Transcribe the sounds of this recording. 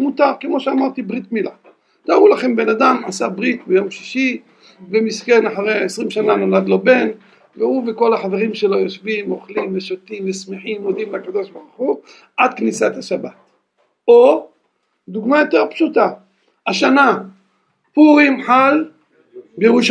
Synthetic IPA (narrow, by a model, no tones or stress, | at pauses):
mut̪aʁke̞mo̞ʃeamaʁt̪ibʁit̪mila | t̪aaʁulaχe̞mbe̞nad̪amʕa̰sabʁit̪bejo̞mʃi̥ʃi | bemiskenaħaʁeesʁimʃananolad̪lo̞be̞n | veuvekolaħaveʁimʃelo̞joʃvimo̞χlimveʃot̪imvesmeħimod̪imleakad̪o̞ʃbaʁuχu | ʕad̪knisat̪haʃabat̪ | o | d̪uɡmajo̞t̪e̞ʁpʃut̪a | aʃana | puʁimħal | bejeʁuʃ